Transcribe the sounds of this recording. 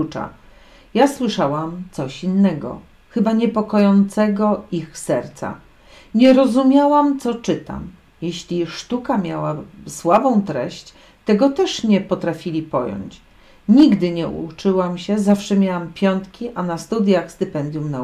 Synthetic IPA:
ut͡ʂa̰ | jaswɘʂawamt̪sɔɕinːɛɡɔ̰ | xɘbaɲɛpɔkɔjɔnt̪sɛɡɔixsɛɾt̪sa̰ | ɲɛɾɔzumʲjawamt̪sɔt͡ʂɘt̪a̰m | jeɕlʲiʂt̪ukamʲjawaswabɔ̃w̃t̪ɾɛɕt͡ɕ | t̪ɛɡɔt̪ɛʂɲɛpɔt̪ɾafʲilʲipɔ̰jɔ̰ɲt͡ɕ | ɲiɡd̪ɘɲɛṵt͡ʂɘwamɕɛzafʂɛmʲjawampʲjɔnt̪kʲiʔanast̪ud̪ʲjaxst̪ɘpɛnd̪ʲjumna

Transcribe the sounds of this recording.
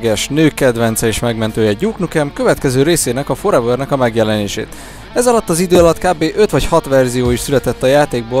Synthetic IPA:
ɡɛʃnøːkːɛd̪vɛnt̪sɛeːʃmɛɡmɛnt̪øːjɛɟuːknukɛmkø̞vɛt̪kɛzøːɾeːseːnɛkɒfoɾɛvørnɛkɒmɛɡjɛlɛneːʃḛːt̪ | ɛzɒlɒt̪ːɒzid̪øːɒlɒt̪kaːbeːʔø̞t̪ʋɒchɒt̪ʋɛrzijoːiʃsylɛt̪ɛt̪ːɒjaːt̪eːɡ̚boː

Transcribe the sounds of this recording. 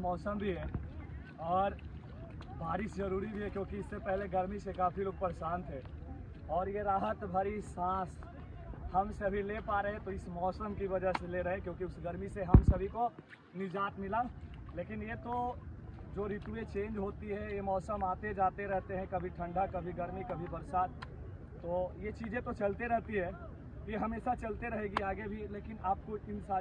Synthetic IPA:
mɔːsəmbʱiɦɛː | ɔːɾ | baːɾɪszɐɾuːɾibʱiɦɛkjõːkiɪsːepɛɦleɡɐɾmisekaːfʰilok̚pəɾsãːnt̪ʰɦɛː | ɔːɾjeɾaːɦət̪bʱəɾisãːs | hɐmsɐbʱilepaɾɐɦẽt̪oɪsmɔːsəmkiʋɐd͡ʒaɦseleɾɐɦẽkjõːkiʊsɡɐɾmiseɦɐmsɐbʱiko | nɪd͡ʒaːt̪mɪla | leːkɪnjet̪o | d͡ʒoːɾit̪uet͡ʃẽːnd͡ʒɦoːt̪iɦɛ̃jemɔːsəmaːt̪ed͡ʒaːt̪eɾɛɦt̪eɦɛ̃kɐbʱiʈʰɐ̃ɳɖʱakɐbʱiɡɐɾmikɐbʱibɐɾsaːd̪̚ | t̪ːojet͡ʃiːd͡ʒẽt̪ot͡ʃɐlt̪eɾɛɦt̪iɦɛ̃ː | jeɦɐmeːsat͡ʃɐlt̪eɾɐɦeɡiaːɡebʱileːkɪnaːp̚koɪnsaː

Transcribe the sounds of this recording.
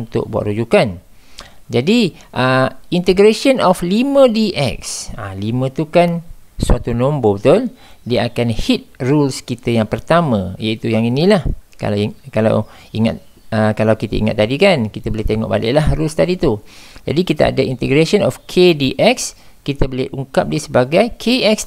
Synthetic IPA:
unt̪ʊ̰ʔ̚bua̰ʔ̪ɾud͡ʒukan | d͡ʒadiʔəint̪əɡɾeʃənɔflimə̃diʔɛk̚sa̰limə̃t̪ukansuat̪unɔmbobət̪ʊl | diəakanhit̪̚rulskit̪əjaŋpərt̪amə̃jait̪ujaŋinĩlahka̰kala̰w | iŋa̰t̪̚ | əkalawkit̪a̰ḭŋa̰t̪ːadikankit̪əbəleht̪eŋɔ̰ʔba̰lɪ̰ʔlahrulst̪adit̪ud͡ʒa̰dikit̪a̰ʔa̰dəʔint̪əɡɾasənɔfkʰediʔɛks | kit̪əbəleʔuŋkap̚diəsəbaɡajkʰeɛks

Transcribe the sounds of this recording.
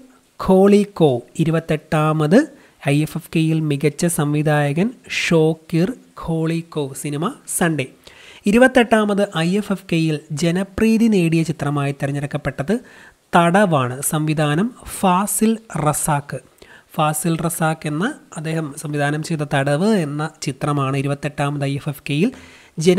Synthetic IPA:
kʰo̞ːɭikːo̞ːiɾubɐt̪ːe̞ʈːaːmɐðɨ | ɐjefefkeːjilmiɣɐt͡ɕːɐsɐmʋid̪ʱaːjɐɣɐnʂo̞ːkːirkʰo̞ːɭikːoːsinimɐsɐɳɖeiɾubɐt̪ːe̞ʈːaːmɐðɨʔɐjefefkejild͡ʑe̞nɐpriːðine̞ːɽijɐt͡ɕit̪rɐmaːjit̪ːiɾɐɲːɐɾɐkːɐpːe̞ʈːɐðɨt̪ɐɽɐʋaːɳɨsɐmʋid̪ʱaːnɐmfaːsilrɐsaːkːɨ | faːsilrɐsaːkːe̞nːɐɐd̪ːe̞ːhɐmsɐmʋid̪ʱaːnɐmt͡ɕejt̪ːɐt̪ɐɽɐʋɨe̞nːɐt͡ɕit̪rɐmaːɳɨiɾubɐt̪ːe̞ʈːaːmɐðɨɐjefefkeːjil | d͡ʑen

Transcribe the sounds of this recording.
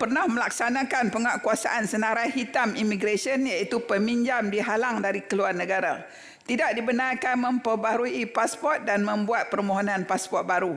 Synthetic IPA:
pərnahməlak̚sanãkanpəŋaʔkuasa̰ʔansənaɾajɦit̪amimiɡɾasiənjaʔit̪upəmiɲd͡ʒamdiɦalaŋdaɾikəluarnə̃ɡaɾa̰ | t̪idaʔ̚dibənarkanmə̃mpəbaɾuipaspɔt̪̚danmə̃mbuat̪̚pərmoɦonãnpaspɔt̪̚baɾu

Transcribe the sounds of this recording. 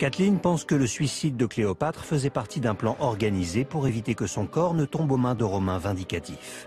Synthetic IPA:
kat̪linpɑ̃skələsɥisid̪ːəkleɔpat̪χfəzɛpaʁt̪ʰid̪ɛ̃plɑ̃ʔɔʁɡanizepuʁevit̪ekəsɔ̃kɔʁnət̪ɔ̃bomɛ̃d̪əʁɔmɛ̃vɛ̃d̪ikat̪if

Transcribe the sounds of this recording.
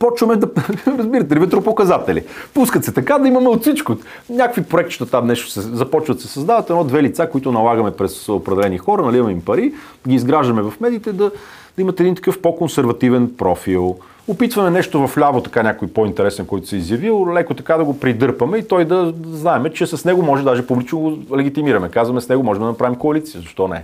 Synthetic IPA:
pɔt͡ʃvɐmɛd̪ɐɾɐzbiɾɐt̪̬ɛlivɛt̪ɾopokɐzat̪ɛlḭpuskət̪sɛt̪ɐkad̪ɐimɐmɛot̪sit͡ʃko | nʲakkvipɾoɛkt̪ʃt̪ət̪amnɛʃt̪o̥sɛzɐpɔt͡ʃvɐd̪sɛsɐzd̪avɐt̪ɛnɔd̪vɛlit̪sakoit̪ʊnɐlˠaɡɐmɛpɾɛsopɾɛd̪ɛlɛnixɔɾɐnɐlivɐmɛimpɐɾi | d̪ɡʲiːzɡɾaʒd̪ɐmɛvɐfmɛd̪iːt̪ɛd̪ɐ | d̪ɐimɐt̪ɛd̪int̪ɐ̥kɤfpokonsɛɾvɐt̪ivɛnpɾɔfilˠ | opit̪vɐmɛnɛʃt̪ovɐflʲavot̪ɐ̥kanʲakojpoint̪ɛɾɛsɛnkɔjt̪ʊ̥sɛizjɐvilˠlɛkot̪ɐkad̪ɐɡopɾid̪ɤɾpɐmɛit̪ɔjd̪ɐznaɛmɛt͡ʃɛsɐsnɛɡomɔʒɛd̪aʒɛpublit͡ʃnoɡolɛɡʲit̪imiɾɐmɛkazvɐmɛsnɛɡomɔʒɛmd̪ɐnɐpɾavimkoɐlit̪sijəzɐʃt̪ɔnɛ̰

